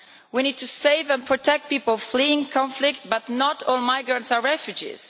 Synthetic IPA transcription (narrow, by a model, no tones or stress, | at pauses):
winid̚tʰuseɪvə̃npʰɹ̥ɔtʰɛk̚t̚pipl̩ˠfliɪ̃ŋkʰɑ̃ɱflɪk̚t̚b̥ʌtnətʰɔlˠmaɪɡɹə̃ntsəɹɛfjʉd͡ʒḭz̥